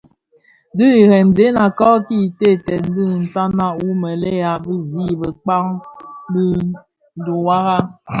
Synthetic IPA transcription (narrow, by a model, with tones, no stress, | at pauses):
dɨ˦i˨ɾɛ˨mze˨˦na˨kɔ˦ki˦˨te˦˨tɛ˨n˦dɨ˦˨n̩˨ta˦na˦u˦mə˨lɛ˦ja˨bɨ˦zi˦bə˨k͡pa˦ŋbɨ˦ | n̩˦du˨wa˦ɣa˦